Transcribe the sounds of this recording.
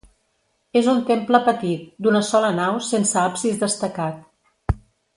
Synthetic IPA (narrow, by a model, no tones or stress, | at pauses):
ezunt̪empləpət̪it̪̚d̪unəsɔlənawsensəapsizðəst̪əkat̪̚